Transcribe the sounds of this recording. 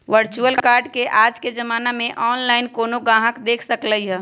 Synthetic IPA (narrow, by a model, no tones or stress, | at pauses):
ʋəɾt͡ʃuəlkaːɾɖkeʔaːd͡ʒked͡ʒəmaːnamẽʔɔːnlaːɪnkoːnoɡãːɦəkd̪eːkʰsəkləiɦɛː